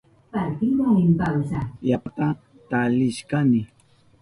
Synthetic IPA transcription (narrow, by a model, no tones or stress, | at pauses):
paɾkɪwaɪmpawsajapat̪a | t̪alɪʃkanɪ